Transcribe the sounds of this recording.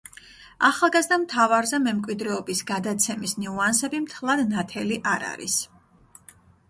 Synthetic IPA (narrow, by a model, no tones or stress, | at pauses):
aχalˠɡazd̪amt̪ʰavaɾzɛmɛmkʼwid̪ɾɛɔbisɡad̪at̪sʰɛmisniuansɛbimt̪ʰlˠad̪nat̪ʰɛliʔaɾa̰ɾḭs